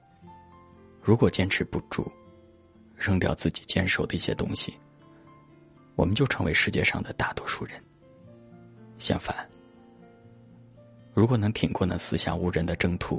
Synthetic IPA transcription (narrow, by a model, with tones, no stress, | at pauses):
ɻu˧˥kwɔ˨˩t͡ɕjɛ˥nʈ͡ʂʰɻ̩˧˥pu˥˩ʈ͡ʂṵ˥˩ | ɻɤ˥ŋt̪jɑ˥˧ʊt͡sɹ̩˥˩t͡ɕi̥˨˩t͡ɕjɛ˥nʂo˨˩ʊd̪ə˦i˥˩ɕjɛ̰˥t̪ʊ˥ŋɕi˨ | wɔ̰˨˩mə˦nt͡ɕjo˥˩ʊʈ͡ʂʰɤ˧˥ŋwe˧˥ɪʂɻ̩˥˧t͡ɕjɛ˥˧ʂɑ̰˥˩ŋd̪ə˩t̪a˥˩t̪wɔ˥ʂu˥˩ɻə˧˥˦n | ɕjɑ̰˥˩ŋfa˨˩˦n | ɻu˧˥kwɔ˨˩nɤ˧˥ŋt̪ʰi˨˩ŋkwɔ˥˩nə̰˧˥˩sɹ̩˥ɕja̰˥˩u˥˩ɻə˧˥nd̪ə˧ʈ͡ʂɤ˥ŋt̪ʰu˧˥